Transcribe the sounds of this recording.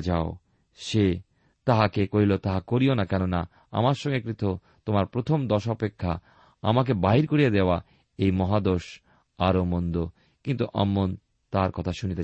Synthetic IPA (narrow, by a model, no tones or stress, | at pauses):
d͡ʑao | ʃe | t̪aɦakekoɦilot̪aɦakoɾionakɛnona | a̰maɾʃɔŋɡekɾit̪o | t̪omaɾpɾot̪ʰomd̪ɔʃɔpekʰːa | a̰mak̬ebaɦiɾkoɾied̪eoa | ejmɔɦad̪oɾʃ | aɾomond̪o | kint̪uʔa̰mːon | t̪aɾkɔt̪ʰaʃunit̪e